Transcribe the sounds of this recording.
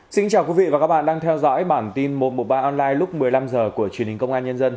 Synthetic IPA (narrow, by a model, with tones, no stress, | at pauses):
sï˧ŋt͡ɕaː˨˩wkwi˨˦vḭ˧˨vaː˨˩ka˦˥ɓa̰ː˧˨ɗaː˧ŋt̪ʰɛ˧wzɔ̰˧˥jɓaː˧˩nt̪i˧nmo˨˩t̚mo˨˩t̚ɓaː˧ʔɔ˧nlaː˧jlʊ˦˥k͡p̚mɨ˨˩əjla˧mzəː˨˩ku˧˩ət͡ɕwi˨˩əni˨˩ŋ̟kə˧wŋ͡mʔaː˧nɲə˧nzə˧n